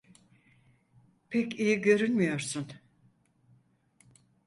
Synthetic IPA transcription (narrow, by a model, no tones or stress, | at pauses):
pʰɛcijiɟø̞ɾynmijo̞ɾsun